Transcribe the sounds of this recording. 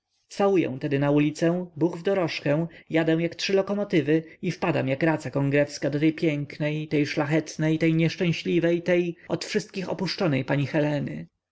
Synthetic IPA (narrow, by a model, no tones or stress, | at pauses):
t̪sawujɛ̰w̃t̪ɛd̪ɘnaulʲit̪sɛ̃w̃buxvd̪ɔɾɔʂkɛ̃w̃jad̪ɛ̃w̃jaktʂɘlɔkɔmɔt̪ɘvɘifpad̪amjakɾat̪sakɔŋɡɾɛfskad̪ɔt̪ɛjpʲjɛŋknɛjt̪ɛjʂlaxɛt̪nɛjt̪ɛjɲɛʂt͡ʂɛ̃w̃ɕlʲivɛjt̪ɛjɔt̪fʂɘst̪̚kʲixɔ̰puʂt͡ʂɔnɛjpaɲixɛlɛnɘ̰